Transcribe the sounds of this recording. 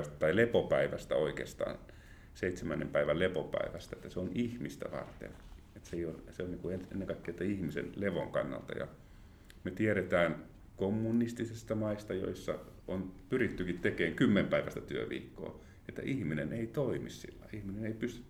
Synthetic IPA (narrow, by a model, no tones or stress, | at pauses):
st̪ɑt̪ɑilepopæiʋæst̪æ̰oikḛːst̪ɑ̰ːn | seit̪semænːempæiʋællepopæ̰iʋæst̪æet̪ːæseonihmist̪æ̰ʋɑ̰rt̪ḛn | et̪seijoseonniːŋkuenḛnːeŋkɑikːeit̪ːɑihmisḛnleʋo̰ŋkɑ̰nːɑ̰lt̪ɑ̰jɑ̰ | met̪ieɾet̪æːn | komːunːist̪isest̪ɑmɑist̪ɑjo̰isːɑ̰onpyrit̪ːykit̪t̪ekeːŋkymːempæiʋæst̪æt̪yøʋḭːkːo̰ː | et̪ːæ̰ʔihmineneit̪oimissḭlːɑiihmineneipyst̪y